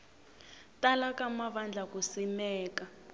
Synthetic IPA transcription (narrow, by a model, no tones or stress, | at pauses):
talakamaβand͡ɮʱakusimɛːka